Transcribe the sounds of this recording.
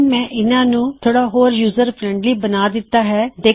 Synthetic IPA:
mɛ̃ːʔɪnãːnũːt̪ʰoːɽaːɦoːɾjuːzəɾpʰɾɛ̃ːɳɖliːbənaːd̪ɪt̪ːaːɦɛːd̪eː

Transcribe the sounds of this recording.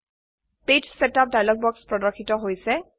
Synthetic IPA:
ped͡ʒsɛtap̚dajlɔɡ̚bɔkspɹɔdɔɹkʰːitɔɦojsɛ

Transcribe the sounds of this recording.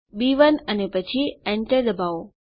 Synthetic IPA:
biʋənənepət͡ʃʰiɛɳʈəɾd̪əbʱao

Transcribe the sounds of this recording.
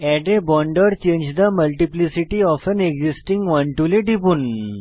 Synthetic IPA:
ɛɖebɔɳɖəɾt͡ɕẽɲd͡ʑd̪əməlʈiplisiʈiɔfəneɡzisʈiŋɡʋãɳʈuleɖibuːn

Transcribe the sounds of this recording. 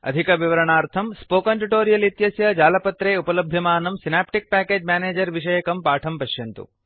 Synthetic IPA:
ɐ̰d̪ʱikɐʋiʋɐɾɐɳaːɾt̪ʰɐmspoːkɐɳʈuʈoːɾijɐlit̪jɐsjɐd͡ʒaːlɐpɐt̪ɾeːupɐlɐbʱjɐmaːnɐmsinaːpʈik̚pæːkeːd͡ʒmʲjaːneːd͡ʒɐɾʋiʂɐjɐkɐmpaːʈʰɐmpɐʃjɐnt̪ṵ

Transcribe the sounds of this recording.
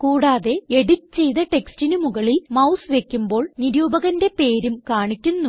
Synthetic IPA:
kuːɽaːðe̞eɽitɨt͡ɕe̞jt̪ɐʈe̞kstinumuɣɐɭilmɐwsʋe̞kʲːumbo̞ːɭniɾuːbɐɣɐnde̞pe̞ːɾumkaːɳikʲːunːu

